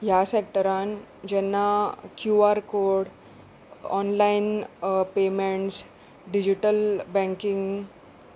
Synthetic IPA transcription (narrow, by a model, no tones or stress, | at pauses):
jasek̚ʈəɾand͡ʑɛnːakjuaɾkoɾɽ | ɔnlainpemeɳʈs | ɖid͡ʑiʈəlbɛ̃ŋkiŋɡ